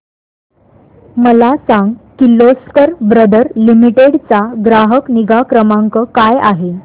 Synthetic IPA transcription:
məlasãŋɡkiloskəɾbɾəd̪əɾlimiʈeɽt͡saɡɾaɦəkniɡakɾəmaŋkəkaja̰ɦe

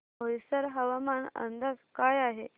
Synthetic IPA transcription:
bəʋisəɾɦəʋamanə̰nd̪askajaɦe

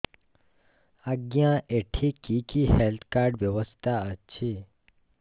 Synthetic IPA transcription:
aɡjãʔeʈʰikikihelt̪ʰkaɾɖʋjəʋəst̪ʰaət͡ʃʰi

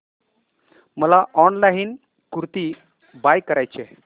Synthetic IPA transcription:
məlaʔɔnlain | kuɾt̪i | bajkːəɾajt͡ɕe

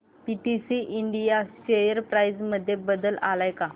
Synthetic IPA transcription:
piʈisiʔiɳɖijaɕejəɾpɾajd͡zməd̪ʱːjebəd̪əla̰lajka

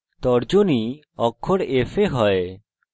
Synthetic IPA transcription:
t̪ɔɾd͡ʑoni | ɔkʰːoɽefʰeɦɔe

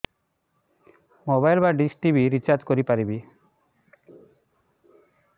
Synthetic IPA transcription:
mobajlbaɖisʈibʱiɾit͡ɕaɾd͡ʑkoɾipaɾibi

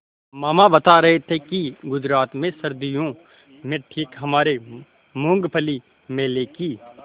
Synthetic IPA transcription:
maːmabɐt̪aɾɐɦet̪ʰekiɡʊd͡ʒɾaːt̪mẽsɐɾd̪ijõ | mẽʈʰiːkɦɐmaːɾe | mõːŋɡpʰəli | mẽleːki

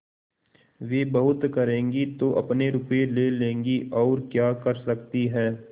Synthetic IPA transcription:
ʋeːbɐɦʊt̪kɐɾẽːŋɡit̪oʔɐ̰pneɾʊpelelẽːŋɡiʔɔːɾkjaːkɐɾsɐk̚t̪iɦɛː

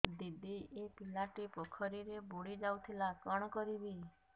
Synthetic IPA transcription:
d̪id̪iepilaʈipɔkʰɔɾiɾeboɽid͡ʒawt̪ʰilakɔɽ̃ɔkɔɾibi

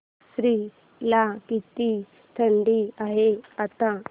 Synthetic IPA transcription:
sɾiː | lakit̪i | t̪ʰəɳɖiaɦeat̪a

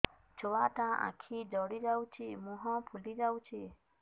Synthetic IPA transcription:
t͡ʃʰoʋaʈãːʔã̰kʰid͡ʒɔɽid͡ʒawt͡ʃʰimũɦɔ̃ːpʰulid͡ʒawt͡ʃʰi

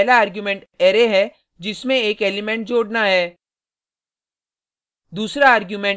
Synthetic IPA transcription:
laaːɾɡjumɛ̃ɳʈɛːɾeɦɛ | d͡ʒɪsmẽeːkeːlɪmɛ̃ɳʈ̚d͡ʒoːɽnaɦɛː | d̪uːsɾaaːɾɡjumɛ̃

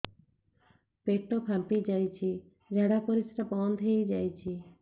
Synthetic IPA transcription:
peʈːokʰampid͡ʒajt͡ʃʰi | ɾɛɽakoɾisɾabɔnd̪ʱejd͡ʒajt͡ʃʰi

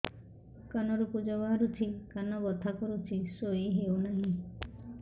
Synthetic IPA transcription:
kanɔɾupud͡ʒɔbaɾut̪ʰikanɔɡɔt̪ʰakɔɾutʰisoiɦeunaɦĩ

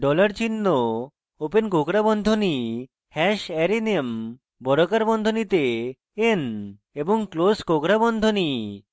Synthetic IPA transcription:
ɖɔlaɾt͡ɕinːo | openkokɾabɔnd̪ʱoni | hɛʃɛɾinem | bɔɾokaɾbɔnd̪ʱonit̪e | en | eboŋkloskokɾabɔnd̪ʱoni

